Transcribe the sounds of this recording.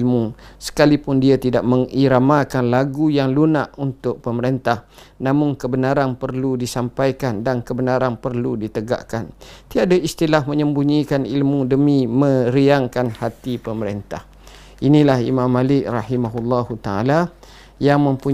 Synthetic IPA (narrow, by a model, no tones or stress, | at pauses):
lmusə̥kalipʊndiat̪idaʔ̚məŋiɾamakanlaɡujaŋlunaʔunt̪ʊʔ̚pəməɾent̪ahnãmʊŋkəbənaɾanpərludisampajkandankəbənaɾanpərludit̪əɡa̰ʔkant̪iadaist̪ilahmə̃ɲəmbuɲikanilmũdəmĩmə̃ɾiaŋkanhat̪ipəməɾent̪a̰h | inilahḭmãmːalɪk̚rɑhimaɦulːɑhut̪aa̰la | jaŋmə̃mpu